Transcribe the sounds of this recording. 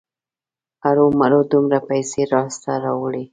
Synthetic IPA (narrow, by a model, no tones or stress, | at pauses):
aɾomaɾod̪umɾapajseɾɑst̪aɾɑwəɽi